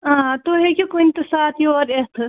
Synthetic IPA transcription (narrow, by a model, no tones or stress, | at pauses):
ãt̪oɦekʲikːnit̪ɐsat̪ʰjoɾest̪ʰ